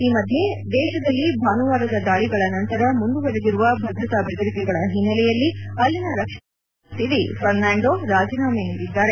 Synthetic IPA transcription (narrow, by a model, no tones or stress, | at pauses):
iːmɐd̪ʱje̞d̪ɛːʃɐd̪ɐlːibʱaːnuʋaːɾɐd̪ɐd̪aːɭiɡɐɭɐnɐnt̪ɐɾɐmund̪uʋɐɾed̪iɾuʋɐbʱɐd̪ɾɐt̪abeɡ̪ɐɾik̪iɡɐɭɐɦinːɐlɛjɐlːiɐlːinɐɾɐkʂɐ | t̪ːid̪ḭpʰɐɾnaːɳɖoɾaːd͡ʒinaːmeːniɾid̪ːaːɾe